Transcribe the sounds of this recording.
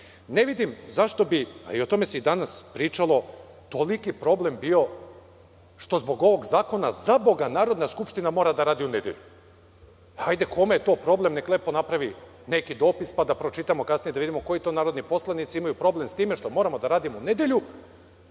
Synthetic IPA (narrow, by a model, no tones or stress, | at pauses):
neʋid̪imzaʃt̪o̞bia̰io̞t̪o̞me̞seid̪anaspɾiːt͡ʃalˠo̞ | t̪olikipɾo̞ble̞mbio̞ | ʃt̪o̞zbo̞ɡo̞ʋo̞ɡzaːko̞na̰zabo̞ɡanaːɾo̞d̪naskupʃt̪inamo̞ːɾad̪aɾaːd̪iune̞d̪je̞̰ʎu | hajd̪e̞ko̞mejet̪o̞ːpɾo̞ble̞mnekle̞ːpo̞napɾaʋi | nekid̪o̞ːpispad̪apɾo̞t͡ʃit̪amo̞kasnijed̪aʋid̪imo̞ko̞jit̪onaːɾo̞d̪nipo̞slˠanit̪siimajupɾo̞ble̞mst̪iːmeʃt̪o̞mo̞ɾamo̞d̪aɾaːd̪imo̞une̞d̪jeʎu